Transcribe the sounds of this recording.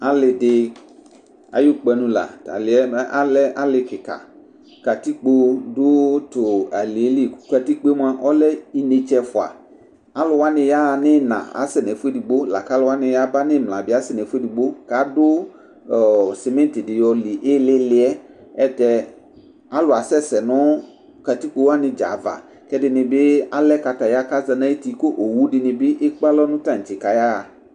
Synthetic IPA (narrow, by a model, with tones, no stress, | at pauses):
a˦lɪ˨dɪ˨ | a̰˨jʊ˦k͡pɛ˨nũ˨la̰˨ta̰˨lɪ˨ɛ˦mɛ˦ʔa˦lɛ˦a˦lɪ˨kɪ˨ka̰˨ | ka˨t̪i˦k͡po˦dʊ˦t̪ʊ˨a˨li˨˦li˦˨ka˨t̪i˦k͡pe˦m˦a˦ʔɔ˦lɛ˦i˦ne˨t͡ʃɛ˦fʊ˨a̰˨ | a˦lʊ˨wa˦nɪ̃˨ja˦nɪ˦nã̰˨a̰˨˦sɪ˨nɛ˨fʊ˦e˦˨di˨ɡ͡bo˦la̰˨ka˨˦lʊ˦wa˦nɪ̃˨ja˦ba˦nɪ̃˦mlã˨bɪ˨˦a˦sɪ˨nɛ˨fu˦e˦di˨ɡ͡bo˦ka˨˦dʊ˦˨ | sɪ˨mɛ̃˦n˦tɪ˨dɪ˨jɔ˨lɪ˨ʔɪ˦lɪ˦lɪ˦ɛ˦ | ɛ˦tɛ˨ | a˦lʊ˨a˨sɛ˦sɛ˨nɔ˦ | ka˨t̪i˦k͡po˦wa˦nɪ̃˨d͡ʒa̰˨va̰˨ | kɛ˦dɪ˨nɪ̃˨bɪ˦a˦lɛ˦ka˨ta˨ja˦ka˦za˨nã˦i˦ti˨ko˦ʔo˨wu˦dɪ˨nɪ̃˨bɪ˦ʔɪ˦k͡pa˦lɔ˦nʊ̃˦tã˦˨ŋ̩˨t͡ʃɪ˨ka˨ja˦a˨